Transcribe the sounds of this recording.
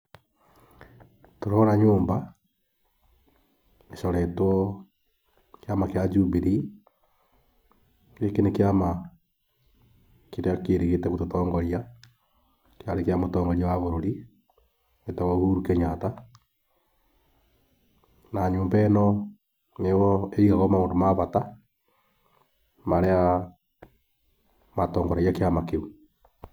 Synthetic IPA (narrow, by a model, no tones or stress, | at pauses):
toɾɔɾaɲoːmba | eʃɔɾɛtwɔ | keamakead͡ʒubiɾi | kekenekeama | keɾeakeɾeɣetɛɣototɔːŋɡɔɾia | keaɾekeamotɔːŋɡɔɾiawaβoɾoɾi | etaɣohuɾukeɲata | naɲoːmbɛnɔ | newɔeiɣaɣɔmaoːndomaβata | maɾea | matɔːŋɡɔɾaijakeamakeu